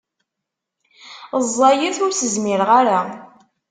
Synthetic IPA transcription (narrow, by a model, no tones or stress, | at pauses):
zˤːɑjəθʊɾsəzmiɾʁaɾa